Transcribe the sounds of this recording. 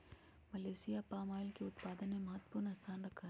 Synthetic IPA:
mɐleːsijapaːmaːɪlkeʊt̪paːd̪ənmemɐɦət̪ːə̥pʊɾnɐst̪ʰaːnɾɐkʰːaɦɛ

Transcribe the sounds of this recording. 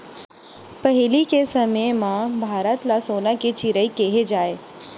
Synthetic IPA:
pɐɦɪlikesɐməjmãbʱaːɾət̪lasoːnaket͡ʃɪɾəikeɦed͡ʒaːeː

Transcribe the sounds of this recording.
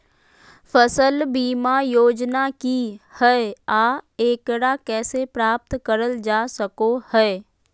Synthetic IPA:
fʰəsəlbiːmajoːd͡ʒnakihɛaːeːkɾakɛːsepɾaːp̚t̪kəɾəld͡ʒaːsəkohɛː

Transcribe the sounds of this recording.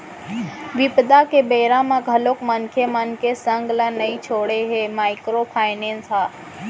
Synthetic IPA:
ʋɪpd̪akebeːɾãmãɡʱɐlokmənkʰemənkesə̃ŋɡlanɐit͡ʃʰoːɽeɦemaːɪkɾopʰaːɪnẽːnsɦaː

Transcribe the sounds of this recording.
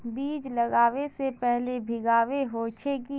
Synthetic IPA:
biːd͡ʒlɐɡaːʋesepɛɦlebʱɪɡaːʋeɦot͡ʃʰeki

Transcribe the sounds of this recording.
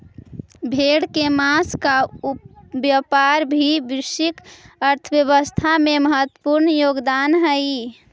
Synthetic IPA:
bʱeɽkemaska | bjəpaɾbʱibisikəɾt̪ʰəbjəβəst̪ʰameməɦət̪wə̥puɾnjoɡd̪anɦəi

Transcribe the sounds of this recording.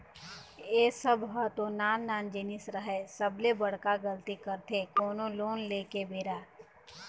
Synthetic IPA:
eːsəbɦat̪õnaːnːaːnd͡ʒeːnɪsɾəɦɛsəblebəɽkaɡəlt̪ikəɾt̪ʰekoːnõloːnleːkebeːɾaː

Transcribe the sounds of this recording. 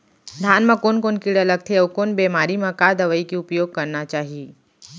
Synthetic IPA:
d̪ʱaːnmãkoːnkoːnkiɽɐləɡ̚t̪ʰeɐʋkoːnbemaːɾimãkad̪əʋəikiʊpjoːɡ̚kɐɾnat͡ʃaːɦie

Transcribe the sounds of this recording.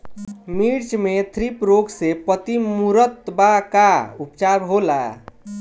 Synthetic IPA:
miɾt͡ʃmet̪ʰɾipɾoɡsepət̪imuɾət̪bakaupt͡ʃaɾɦola̰

